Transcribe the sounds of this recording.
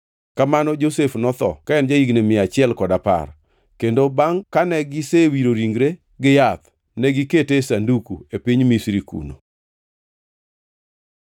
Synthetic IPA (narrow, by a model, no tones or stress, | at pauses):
kamanɔd͡ʒosefnɔt̪ɔ̰kaɛnd͡ʒaiɡnemɪat͡ʃɪɛlkɔdapa̰r | kendobaŋkanɛɡɪsewiɾoɾiŋɡɾe | ɡɪjat̪ | nɛɡiketesandukṵepiɲmisɾikṵno̰